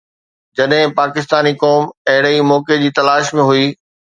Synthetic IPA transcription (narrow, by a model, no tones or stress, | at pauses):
d͡ʑɐɗɦɪ̃paːkɪst̪aːnikɔːmɐɦɪɽimɔːked͡ʑiːt̪ɐlaːʃmẽɦʊiː